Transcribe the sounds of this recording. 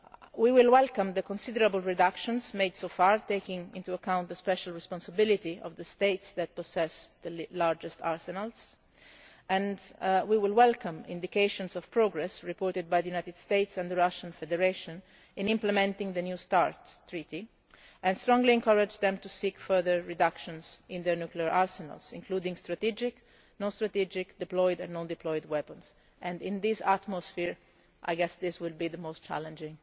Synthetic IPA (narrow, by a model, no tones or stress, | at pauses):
wiwɪlwɛlkãmd̪əkɔ̃nsid̪əɾabəlɹid̪akʃɔ̃nsmejd̪sofaɹt̪eɪkɪ̃ŋĩnt̪uakãwnt̪̚d̪əspɛʃalɹɛspɔ̃nsabilit̪iɔ̰vd̪əst̪eɪt̪sd̪ɛt̪̚pɔsɛsd̪əlaɾd͡ʒɛst̪a̰ɹsɛnals | ɛ̃ndwiwɪlwɛlkãmḭ̃nd̪ikeɪʃɔ̃nsɔv̥pɹɔɡɾɛsɹipɔːɹt̪ɪd̪̚bajd̪əjunajt̪ɪd̪st̪eɪt̪sɛ̃nd̪əɹaʃãnfɛd̪ɛɹeʃɔ̃n | ɪ̃nɪ̃mplɛmɛ̃nt̪ɪ̃ŋd̪ənjust̪a̰ɹt̪ːɹit̪i | ɛ̃nst̪ɾɔ̃ŋɡliɛ̃ŋkaɹad͡ʒd̪ɛ̃mt̪usikfɜɹðəɹːid̪akʃɔ̃nsɪ̃nd̪ɛɹnukliaɹʔaɹsɛna̰lsɪ̰̃ŋkluːd̪ɪ̃ŋst̪ɾat̪id͡ʒɪk | nɔ̃nst̪ɾat̪id͡ʒɪkd̪ɪplɔjd̪ɛ̃nːɔ̃nd̪ɪplɔjd̪wɛpə̃ns | ʔɛ̃nd̪ɪ̃nd̪ɪsa̰t̪mɔsfiɹ | ʔa̰jɡɛsd̪ɪswɪlbiðəmoʊstt͡ʃæ̰lɛ̃nd͡ʒɪ̃ŋ